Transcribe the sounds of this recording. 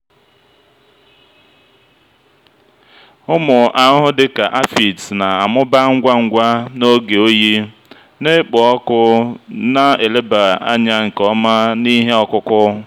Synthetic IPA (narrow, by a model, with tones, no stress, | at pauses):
ʊ˦mʊ˨ʔa˨˦ɦʊ˦dɪ˦ka˨ʔa˦fi˨tna˨a˨mʊ˦ba˦ŋ̩˦ɡʷa˦ŋ̩˦ɡʷa˦no˦ɡe˨o˦ji˦ | ne˦k͡pɔ˨ɔ˦kʊ˦na˦e˨le˦ba˨a̰˦ɲa˦ŋ̩˨kɔ˦ma˦ni˦ɦe˦ɔ˨kʊ˦kʊ˦